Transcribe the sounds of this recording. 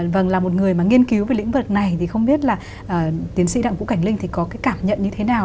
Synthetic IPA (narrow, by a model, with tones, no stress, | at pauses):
və˧˩ŋlaː˨˩mo˨˩t̚ŋɨ˨˩əjmaː˨˩ŋi˧ənki˨˦wvəː˨˦lḭ̈˧˥ŋ̟və˨˩t̚na˨˩jt̪ʰi˨˩xə˧wŋ͡mɓi˦˥ət̚laː˨˩ | ʔəː˨˩t̪i˨˦ənsḭ˧˥ɗa̰ː˧˨ŋvṵ˧˥ka˧˩jŋ̟li˧ŋ̟t̪ʰi˨˩kɔ˨˦kaː˨˦jkaː˧˩mɲə̰˧˨nɲɨ˧t̪ʰe˨˦naː˨˩w